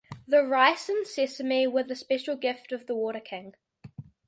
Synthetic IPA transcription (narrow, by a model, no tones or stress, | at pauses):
ðəɹaɪsə̃nsɪsəmiwəðəspɛʃəlˠɡɪftəvðəwɔːˑɾəkʰɪ̃ŋ